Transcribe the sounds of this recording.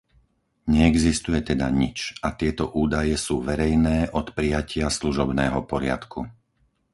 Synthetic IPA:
ɲɛɛɡzist̪ujɛt̪ɛd̪a̰ɲit͡ʃʔat̪ɪɛt̪ɔʔuːd̪ajɛsuːʋɛɾɛjnɛːʔɔt̪pɾijacʰɪasluʒɔbnɛːɦɔpɔɾɪa̰t̪kʰṵ

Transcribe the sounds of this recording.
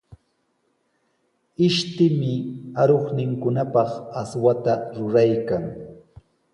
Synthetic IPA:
ɪʃt̪ɪmɪaɾoχnɪŋkʊnapɑχaswat̪aɾʊɾajkaŋ

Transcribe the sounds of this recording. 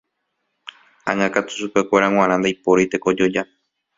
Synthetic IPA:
ãŋãkat̪u̥ʃupe̞kʷeɾaw̃ãɾ̃ãnd̪ajpoɾit̪e̞ko̞d͡ʒo̞d͡ʒa

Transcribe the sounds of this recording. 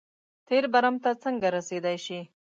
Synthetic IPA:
t̪eɾbaɾamt̪at͡səŋɡaɾased̪ajʃi

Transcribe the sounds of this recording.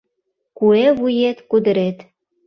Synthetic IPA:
kueβujet̪kud̪əɾet̪

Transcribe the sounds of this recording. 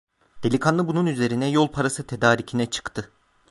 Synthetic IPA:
d̪̥e̞lʲikʰanlˠɯbununyze̞ɾinɛjo̞lˠpʰaɾasɯt̪ʰe̞d̪aːɾicʰinɛt͡ʃʰɯ̥kt̪ʰɯ

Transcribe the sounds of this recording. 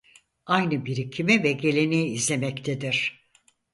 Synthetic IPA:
ajnɯbiɾicʰimivɛɟe̞lʲe̞nejiːzlʲe̞mɛct̪ʰed̪iɾ̥

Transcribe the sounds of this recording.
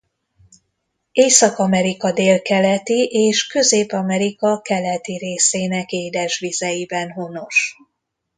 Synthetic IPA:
eːsɒkɒmɛɾikɒd̪eːlkɛlɛt̪iʔeːʃkø̞zeːpɒmɛɾikɒkɛlɛt̪iɾeːseːnɛkeːd̪ɛʃʋizɛjibɛnɦono̞ʃ

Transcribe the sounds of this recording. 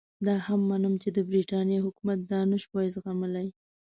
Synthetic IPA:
d̪ɑhamːɑnəmt͡ʃed̪əbɾiʈɑnjeɦʊkumat̪̚d̪ɑnəʃpɑzɣaməlaj

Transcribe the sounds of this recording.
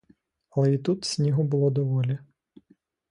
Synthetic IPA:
ɐlˠɛit̪ut̪sʲnʲiɦʊbʊlˠɔd̪ɔʋɔlʲi

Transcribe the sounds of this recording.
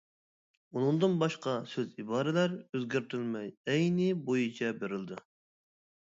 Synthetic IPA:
unɨŋd̪ɨnbɑʃqɑsøzibɑːɾɪlæɾøzɡʲæɾt̪ʰylmɛjɛjnɪbojit͡ʃʰɛbeɾɪld̪ɨ

